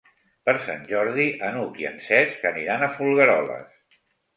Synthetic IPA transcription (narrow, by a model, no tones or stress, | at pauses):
pəɾsa̰nʲʒɔɾðiʔənukiə̰nsɛskəniɾanəfulˠɣəɾɔlə̰s